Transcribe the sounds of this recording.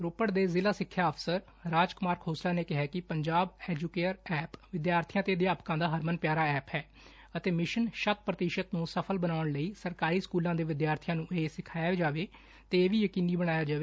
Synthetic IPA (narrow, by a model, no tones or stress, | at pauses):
ɾoːpəɽd̪eːzɪlaːsɪkʰːjaːəpʰsəɾ | ɾaːd͡ʒkʊmaːɾkʰoːslaːneːkɪɦaːkɪpəɲd͡ʒaːbɛːd͡ʒuːkeːɾɛːpʋɪd̪jaːɾt̪ʰijãːt̪eːəd̪jaːpkãːd̪aːɦəɾmənpjaːɾaːɛːpɦɛː | ət̪eːmɪʃənʃət̪̚pɾət̪ɪʃət̪nũːsəpʰəlbənaːʊɳləiːsəɾkaːɾiːskuːlãːd̪eːʋɪd̪jaːɾt̪ʰijãːnũːʔeːsɪkʰaːjaːd͡ʒaːʋeː | t̪eeːʋiːjəkiːniːbəɽ̃aːjaːd͡ʒaːʋeː